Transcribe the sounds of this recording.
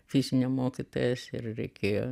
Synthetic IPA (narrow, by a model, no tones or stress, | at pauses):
fʲɪzʲɪnʲɛmoːkʲit̪oːjɛsɪ̰rɾʲɛ̰ɪkʲʰeːjo̰